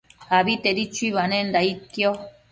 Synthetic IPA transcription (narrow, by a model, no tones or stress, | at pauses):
aβit̪eɾit͡ʃuiβanẽnd̪ait̪jo